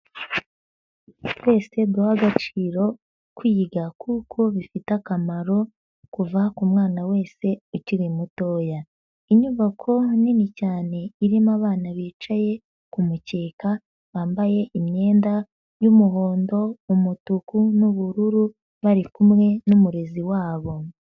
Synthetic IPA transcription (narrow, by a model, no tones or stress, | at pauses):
we̞ːse̞dohaɡat͡ʃiːɾo̞ | kwiːɡakʰuːkʰo̞βifitakamaɾo̞ | kuvakumŋaːnawe̞ːse̞uciɾimuto̞ːja | iɲuβakʰo̞ninicaːne̞iɾimaβaːnaβiːt͡ʃaje̞ | kumuce̞ːka | βaːmbaje̞ʔimɲe̞ːnda | jumuɦo̞ːndo̞umutukunuβuɾuɾu | βaɾikumŋe̞numuɾe̞ziwaːβo̞